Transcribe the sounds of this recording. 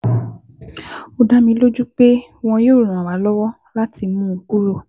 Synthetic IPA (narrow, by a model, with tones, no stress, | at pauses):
o˧da˦mĩ˧˦lo˦d͡ʒu˦k͡pe˦w̃ɔ̃˧jo˦ɾo˦˨nã˨wa˨˦lɔ˦wɔ˦ | la˦ti˧mũ˦˧ku˦ɾo˦˨